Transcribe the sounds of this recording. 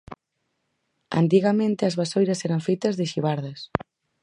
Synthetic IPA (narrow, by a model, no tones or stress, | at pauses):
a̰nt̪iɣamẽnt̪ɪɐzβasojɾɐsɛɾɐɱfejt̪ɐzðɪʃiβaɾðɐs